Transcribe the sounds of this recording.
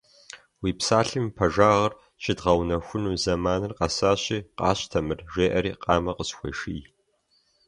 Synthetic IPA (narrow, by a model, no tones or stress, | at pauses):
wiːpsaːɬɨmpʰɐʒaːʁɐr | ɕɪdʁɐwnɐxʷʊnuːzɐmaːnɨrqɑsaːɕiːqɑ̰ːɕtʰɐmɨrʒeːʔɐɾiːqʼɑːmɐqəsxʷɔ̰ʃij